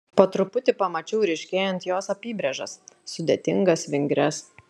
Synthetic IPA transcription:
poːt̪ɾʊpʊt̪ʲɪpɐmɐt͡ʃʲɛʊɾʲɛɪʃʲkʲeːjɛnt̪joːsɐpʲiːbʲɾʲɛʒɐsːʊd̪ʲeːt̪ʲɪŋɡɐsʋʲɪŋʲɡɾʲɛs

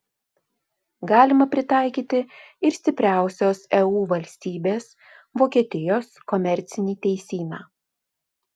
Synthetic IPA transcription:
ɡɑːlʲɪmɐpʲɾʲɪt̪ɑˑɪkʲiːt̪ʲɪ | ɪɾsʲt̪ʲɪpʲɾʲæˑʊsʲoːsɛuːʋɐlʲsʲt̪ʲiːbʲeːs | ʋoːkʲiɛt̪ʲɪjoːskɔmʲɛɾʲt̪sʲɪnʲiːt̪ʲɛɪsʲiːnɑː

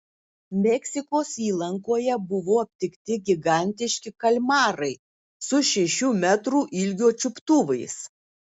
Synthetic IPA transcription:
mʲɛksʲɪkoːsiːlˠɐŋkoːjɛbʊʋoːɐpʲt̪ʲɪkt̪ʲɪɡʲɪɡɑˑnʲt̪ʲɪʃʲkʲɪkɐlʲmɑːɾɐɪ | sʊʃʲɛʃʲuːmʲæt̪ɾuːʔɪlʲɡʲoːt͡ʃʲʊpt̪uːʋɐɪs

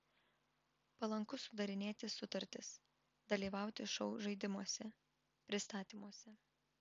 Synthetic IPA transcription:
pɐlˠɐŋkʊsʊd̪ɐɾʲɪnʲeːt̪ʲɪsʊt̪ɐɾʲt̪ʲɪs | d̪ɐlʲiːʋɑˑʊt̪ʲɪʃɔʊʒɐɪd̪ʲɪmuɔsʲɛ | pʲɾʲɪst̪ɑːt̪ʲiːmuɔsʲɛ

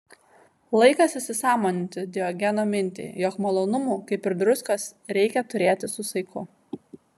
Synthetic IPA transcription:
lˠɐɪkɐsɪsʲɪsɑːmoːnʲɪnʲt̪ʲɪd̪ʲɪɔɡʲɛnoːmʲɪnʲt̪ʲḭjɔːkmɐlˠoːnʊmuːkɐɪpɪɾd̪ɾʊskɐsɾʲɛɪkʲɛt̪ʊɾʲeːt̪ʲɪsʊsɐɪkʊ

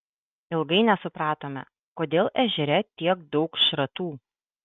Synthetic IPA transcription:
ɪlˠɡɐɪnʲɛsʊpɾɑːt̪oːmʲɛ̰ | koːd̪ʲeːlˠʔɛʒʲɛɾʲɛt̪ʲiɛkd̪ɒʊkʃɾɐt̪uː

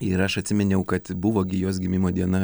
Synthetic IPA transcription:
ɪɾɐʃɐt̪ʲsʲɪmʲɛnʲɛʊkɐt̪bʊʋoːɡʲɪjoːs̬ɡʲɪmʲɪmoːd̪ʲiɛnɐ

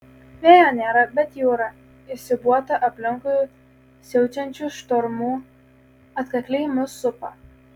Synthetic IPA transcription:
ʋʲeːjoːnʲeːɾɐbʲɛt̪juːɾɐ | ɪʃsʲɪbuɔt̪ɐʔɐpʲlʲɪŋkʊju | sʲɛʊt͡ʃʲɛnʲt͡ʃʲuˑʃt̪ɔɾmuː | ɐt̪kɐkʲlʲeːjmʊsʊpɐ

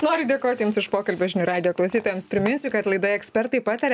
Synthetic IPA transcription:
noːɾʲʊd̪ʲeːkoːt̪ʲjɪmsɪʃpoːkɐlʲbʲoʒʲɪnʲuɾɑːd̪ʲɪjoːklˠɐʊsʲiːt̪oːjɛmspʲɾʲɪmʲɪnʲsʲʊkɐt̪lˠɐɪd̪oːjɛksʲpʲɛɾt̪ɐɪpɑːt̪ɐɾʲ

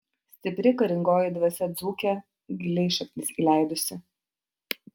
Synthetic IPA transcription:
sʲt̪ʲɪpʲɾʲɪkɐɾʲɪŋɡoːjɪd̪ʋɐsʲɛd̪zuːkʲɛ | ɡʲɪlʲɛɪʃɐkʲnʲɪsiːlʲæˑɪd̪ʊsʲɪ

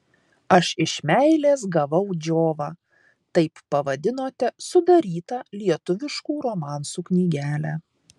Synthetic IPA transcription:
ɐʃɪʃmʲæɪlʲeːs̬ɡɐʋɐʊd͡ʒʲoːʋɑː | t̪ɐɪppːɐʋɐd̪ʲɪnoːt̪ʲɛsʊd̪ɐɾʲiːt̪ɑlʲiɛt̪ʊʋʲɪʃkuːɾoːmɑːˑnsuːknʲiːɡʲæːlʲæː

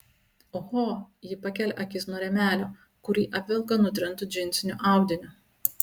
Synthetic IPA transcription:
oxoːjɪpɐkʲɛlʲʔɐkʲɪsnuɔɾʲɛmʲæːlʲoː | kʊɾʲiːʔɐpʲʋʲɪlˠkɐnʊt̪ʲɾʲɪnˑt̪ʊd͡ʒʲɪnʲt̪sʲɪnʲʊʔɑˑʊd̪ʲɪnʲʊ

